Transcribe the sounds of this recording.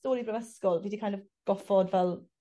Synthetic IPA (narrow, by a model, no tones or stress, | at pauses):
toːɾibrəvəskɔlˠviːdikʰajnɔv | ɡ̥ɔfɔdvɛlˠ